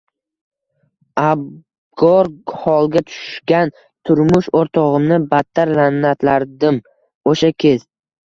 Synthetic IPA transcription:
ab | ɡɒɾhɒlˠɡʲat̪ʰʊ̥ʃɡʲan | t̪ʰʊɾmʊʃoɾt̪ʰɒʁɨmnɪbat̪ʰːaɾlanːat̪ʰlaɾd̪ɪm | oʃakʲʰe̞s

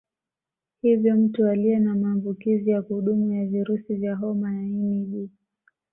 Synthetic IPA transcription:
hivjɔm̩tualiɛnamaːmbukizijakuuɗumujaviɾusivjaɦɔmajaimiɗi

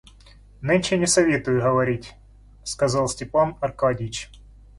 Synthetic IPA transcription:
nɨnʲt͡ɕɛnʲɪsɐvʲet̪ʊjʊɦəvɐɾʲitʲ | skɐzɑlˠsʲtʲɪpanɐrkadʲɪt͡ɕ

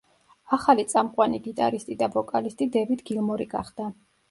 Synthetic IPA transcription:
aχalit̪sʼamqʼwaniɡit̪ʼaɾist̪ʼid̪avɔkʼalist̪ʼid̪ɛvid̪ɡilˠmɔɾiɡa̰χd̪̥a

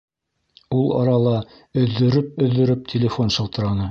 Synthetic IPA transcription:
ulˠɑ̰ɾɑlˠɑ | ɵ̆ðːɵ̆ɾɵp̚ɵ̆ðːɵ̆ɾɵp̚tʲʰɪlʲɪfo̞nʃɤ̆lˠt̪ɤ̆ɾɑnɤ

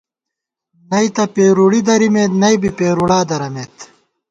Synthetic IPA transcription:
nɐit̪ɐpeːɾuɽid̪ɐɾimeːt̪nɐjbipeːɾuɽaːd̪ɐɾɐmeːt̪

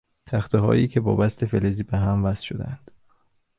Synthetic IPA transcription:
t̪ʰæxt̪eɦɒ̰ːjiːcʰe̞bɒ̰ːbæst̪ʰe̞feleziːbeɦæmvæsʃod̪eænd̪̥

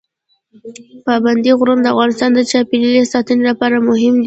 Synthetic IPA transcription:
pɑband̪iɣɾund̪əafɣɑnɪst̪ɑnd̪ət͡ʃɑpililesɑt̪ənilapɑɾamʊɦɪmd̪i

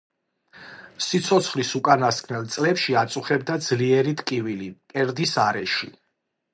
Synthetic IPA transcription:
sit̪sʰɔt̪sʰχlisukʼanaskʰnɛlˠt̪sʼlɛpʃiat̪sʼuχɛb̚d̪ad̪zliɛɾit̪kʼivilipʼɛɾd̪isaɾɛʃi

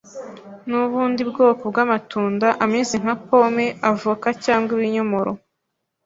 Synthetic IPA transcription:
nuβuːndibɡoːkob̚ɡaːmatuːndaʔamɲezim̥hapo̞meavuːkacaːŋɡiβiɲomoɾo

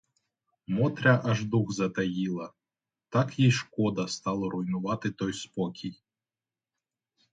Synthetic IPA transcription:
mɔt̪ɾʲɐʔɐʒd̪uxzɐt̪ɐjilˠɐ | t̪ɑkjijʃkɔd̪ɐst̪ɑlˠɔɾʔʊjnʊʋɑt̪ɪt̪ɔjspɔkʲʰij

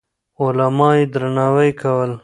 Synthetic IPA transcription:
olamɑːjed̪ɾanɑːwəjkawəl

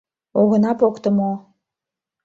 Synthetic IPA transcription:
oɣɤ̆nɑpokt̪ɤ̆mo

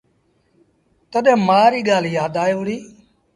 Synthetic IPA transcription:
t̪əɗ̪ɛ̃ːmaːɾiːɠaːljaːd̪aːjʋʊɽiː

